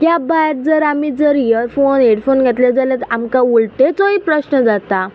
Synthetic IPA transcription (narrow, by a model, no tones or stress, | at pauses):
k̪jabajɾ̚d͡zəɾamiːd͡zəɾjiəɾfoneɽfonɡʱet̪led͡zalət̪əamkãuɭʈet͡soɦipɾəɕnəd͡zat̪a